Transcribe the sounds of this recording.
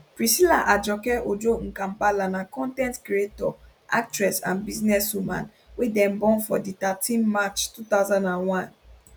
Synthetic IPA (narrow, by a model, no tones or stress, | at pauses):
pɹisilaʔad͡ʒɔkɛʔod͡ʒoŋ̩kãmpalanãkɔ̃ntɛ̃ntkɾietɔ̰ | a̰k̚tɹɛsã̰nbiznɛswumã̰n | wedɛ̃mbɔ̃nfɔ̰dit̪atʰĩnmat͡ʃtut̪aʊzãndãnwãn